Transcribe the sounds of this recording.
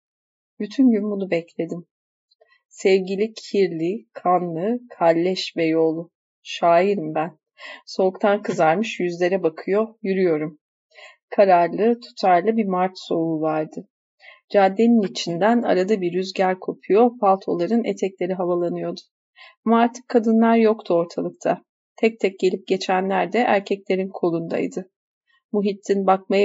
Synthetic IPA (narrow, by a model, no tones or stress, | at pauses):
byt̪ʰynɟynbunubɛclʲe̞d̪im | sɛvɟilʲicʰiɾlʲikʰanlˠɯkʰalʲːɛʃvɛjo̞lˠu | ʃaːjiɾɯmbæn | so̞ukt̪ʰankʰɯzaɾmɯʃjyzlʲe̞ɾɛbakʰɯjo̞jyɾyjo̞ɾum | kʰaɾaɾlˠɯt̪ʰu̥t̪ʰaɾlˠɯbimaɾt̪so̞uvaɾd̪ɯ | d͡ʒaːd̪ːe̞ninit͡ʃʰind̪æna̰ɾad̪abiɾyzɟæɾʲkʰo̞pʰujo̞pʰalˠt̪ʰo̞̰lˠaɾɯnḛt̪ʰɛclʲe̞ɾiɦavalˠanɯjo̞d̪ʊ̥ | amaɾt̪ʰɯ̥kʰːad̪ɯnlˠaɾjo̞kt̪ʰuo̞ɾt̪ʰalˠɯkt̪ʰa | t̪ʰɛc̚t̪ʰɛc̚ɟ̥e̞lʲip̚ɟe̞t͡ʃʰænlʲæɾd̪ɛʔæ̰ɾcʰɛclʲe̞ɾinkʰo̞lˠund̪a̰jd̪ɯ | muɦit̪ʰːinbakmaja